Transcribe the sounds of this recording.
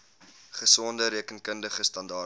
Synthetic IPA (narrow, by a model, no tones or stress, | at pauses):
χəsɔndəɾiəkənkəndəχəstɐndɑː